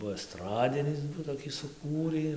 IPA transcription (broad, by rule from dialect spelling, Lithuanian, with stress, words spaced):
ˈbuɔ ɛsˈtrɑːdʲɪnʲɪs toːˈkʲiː sʊˈkuːrʲiː